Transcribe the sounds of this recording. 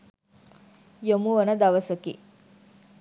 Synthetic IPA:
jomuʋonɐd̪ɐʋəsəkḭ

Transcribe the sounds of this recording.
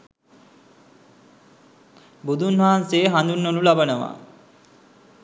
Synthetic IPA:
bud̪ʱunʋaɦanseɦand̪unːolulabənəʋa̰

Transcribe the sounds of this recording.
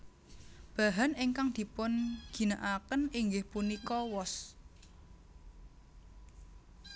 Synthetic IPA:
b̥a̤ɦaniŋkaŋd̪̥i̤pʊnɡ̥i̤naʔakəniŋɡɪhpunikɔwɔs

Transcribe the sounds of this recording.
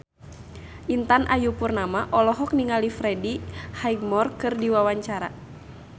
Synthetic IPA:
ʔint̪anʔajupurnamaʔɔlɔɦɔk̚niŋalifɾɛdihaiɡ̚mɔrkɨrdiwawaɲt͡ʃaɾa̰

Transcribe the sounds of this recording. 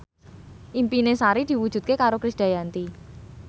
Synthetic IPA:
ʔimpinesaɾid̪̥i̤wud̥ʒ̥ṳt̪̚kekaɾokɾisd̥a̤jant̪i

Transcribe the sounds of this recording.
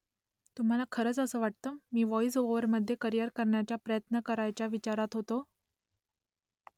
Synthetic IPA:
t̪um̤alakʰəɾəːt͡səsəːʋaʈ̚t̪əmiːʋɔjis̬oʋəɾməd̪ʱːjekəɾjəɾkəɾɳjat͡ɕjapɾəjət̪nəkəɾajt͡ɕjaʋit͡ɕaɾat̪ɦot̪o

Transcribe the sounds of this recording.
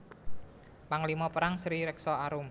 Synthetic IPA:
paŋlimɔpəɾaŋsɾiɾɛksɔaɾʊm

